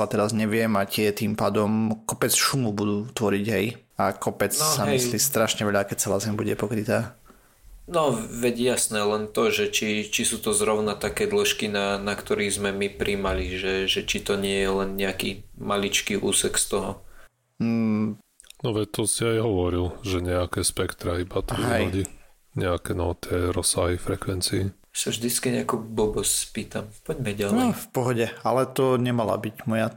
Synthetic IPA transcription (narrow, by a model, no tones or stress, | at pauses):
at̪ɛɾazɲɛʋɪɛmacɪɛt̪iːmpaːd̪ɔmkɔpɛt͡sʃumubud̪uːt̪ʋɔɾiɟɦɛjakɔpɛt͡ssamisliːst̪ɾaʃɲɛʋɛʎakɛc̚t͡sɛlaːzɛmbuɟɛpɔkɾit̪aː | nɔʋɛɟjasnɛːlɛnt̪ɔʒɛt͡ʃit͡ʃisuːt̪ɔzɾɔʊnat̪akɛːd̪lɔʃkinanakt̪ɔɾiːzmɛmipɾʔimaliʒɛʒɛt͡ʃit̪ɔɲɪɛjɛlɛnɲɛakimalit͡ʃkiːʔuːsɛkst̪ɔɦɔ | nɔʋɛt̪ːɔsiajɦɔʋɔɾilʒɛɲɛakɛːspɛkt̪ɾaibat̪ɔʋiɦɛjɔɟi | ɲɛakɛnɔt̪ɪɛɾɔsːaɦifɾɛkʋɛnt͡siːjasaʒd̪it͡skiɲɛakubɔbɔsspiːt̪ampɔɟmɛɟalɛɔfpɔɦɔɟɛalɛt̪ɔɲɛmala̰biɟmɔja